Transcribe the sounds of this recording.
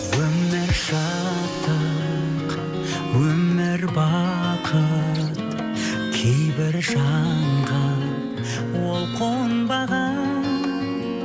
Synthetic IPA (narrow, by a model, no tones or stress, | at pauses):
wɵmːɪɾʃɑ | t̪ʰə | q | wɵmɪɾbɑqʰət̪ | kʲʰejbɪɾʒɑɴʁɑ | wo̞lˠqʰowənbɑʁɑ